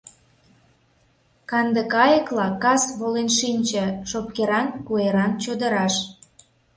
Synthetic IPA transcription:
kɑnd̪əkɑjəklɑkɑsβolenʃinʲt͡ɕə̆ʃop̚keɾɑnkueɾɑnt͡ɕod̪ə̆ɾɑʃ

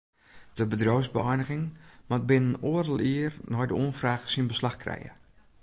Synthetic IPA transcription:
d̥əbədroːsbəɛjnəɣɪŋmat̚bɪnənoərəlˠiərnɔjdəoənfraːxsinbəslaxkrɛ̰jə̰

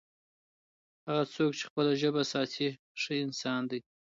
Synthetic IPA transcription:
haɣat͡sok̚t͡ʃe̥xpəlaʒəbasɑt̪ʰi | ʂəɪnsɑnd̪aj

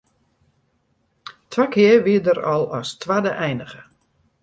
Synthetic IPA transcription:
tʰʋakɪəʋiədəɾɔlˠɔstʋadəʔɛjnəɣə

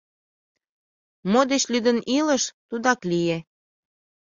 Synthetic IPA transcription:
mod̪et͡ɕlyd̪əniləʃt̪ud̪ɑklije

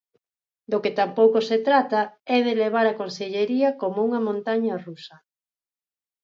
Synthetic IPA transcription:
d̪oket̪ampowkoset̪ɾat̪ɐɛð̞eleβ̞aɾɐkonseʎeɾiɐkomouŋɐmõnt̪aɲɐrusɐ

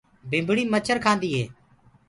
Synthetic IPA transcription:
bʱɪ̃mbɽiːmət͡ʃʰəɾkʰaːnd̪iːɦeː

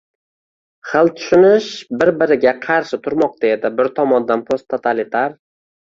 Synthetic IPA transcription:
χɨlˠt̪ʰʊ̥ʃɪnɪʃbɪɾbɪɾɪɡʲaqʰɑɾʃɪt̪ʰʊɾmɒq̚t̪aed̪ɪbɪɾt̪ʰɒmɒnd̪anpʰost̪ʰːot̪ʰalit̪ʰaɾ

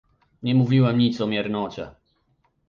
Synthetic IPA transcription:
ɲɛmuvʲiwɛmɲit̪sɔmʲjɛɾnɔt͡ɕɛ̰

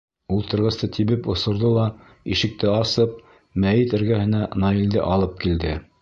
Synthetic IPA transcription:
ulˠt̪ɤ̆ɾʁɤ̆st̪ɤt̪ʰiβɘpŏsŏɾðolˠɑ | iʃɘ̆k̚t̪ɘɑsɤp̚ | mæjit̪ɘ̆ɾɡæhɘ̆nænɑild̪ɘ̰ʔɑlˠɤp̚kild̪ɘ

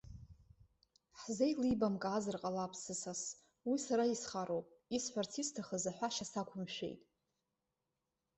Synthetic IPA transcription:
ħzejlibamkʼaːzɨrqʼalapʰsɨsas | wisaɾaisχaɾowpʼisħʷart͡sʰistʰaχəzaħʷaʃasakʷʰʊmʃᶣe̞̰jtʼ

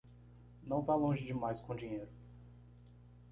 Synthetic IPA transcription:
nɐ̃w̃vajlõʒɪd͡ʒɪmajskõd͡ʒĩɲejɾʊ

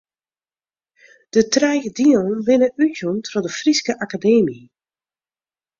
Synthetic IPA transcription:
d̥ətrɛjɣədiɔnʋɪnəʔytjuntfɔdəfriskəʔakadeːmi

